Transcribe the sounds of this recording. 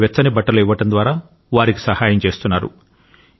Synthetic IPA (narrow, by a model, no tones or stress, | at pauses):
ʋjɛt͡sːsɐnibɐʈːɐluiʋːɐʈɐnd̪ʋaːɾaː | ʋaːɾiki̥sɐhaːjɐmt͡ʃe̞ːst̪unːaːɾṵ